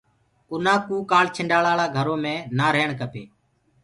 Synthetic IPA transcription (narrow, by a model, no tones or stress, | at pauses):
ʊnãːkuːkaːlt͡ʃʰɪɳɖaːɭaːlaːɡʱəɾoːmẽːnaːɾeːɳkəpʰḛː